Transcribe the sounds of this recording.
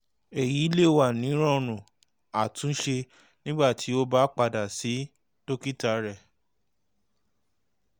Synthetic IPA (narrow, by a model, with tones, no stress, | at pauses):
e˨ji˨˦le˦˨wa˨nĩ˨˦ɾ̃ɔ̃˦˨ɾ̃ũ˨ | a˨tũ˨˦n̩˦ʃe˧ | nĩ˦ɡ͡ba˦˨tʰi˨˦o˦ba˦k͡pa˧da˨si˨˦ | to˦ki˦ta˨˦ɾɛ˦˨